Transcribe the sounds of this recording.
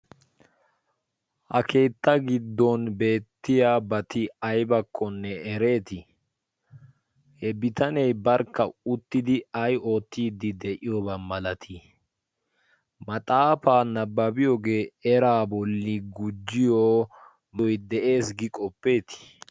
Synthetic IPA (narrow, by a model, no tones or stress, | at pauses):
hɐ̰kʰe̞ːt̪ːɐɡɪd̪ːɔnbe̞ːt̪ːɪjaːbɐt̪ɪɐjbɐkʰːɔnːɛɛɾe̞ːt̪ɪ | hɛbɪt̪ɐnɛjbɐɾkːɐʊt̪ːɪd̪ɪɐjo̞ːt̪ːiːd̪ɪd̪ɛʔɪjobɐmɐlɐt̪ʰi | mɐt̪ʼaːfaːnɐbːɐbɪjoːɡe̞ːɛɾaːbɔlːiɡʊd͡ʒːɪjoː | nɔjd̪ɛʔe̞ːsɡɪkʼɔpːe̞ːt̪ɪ̥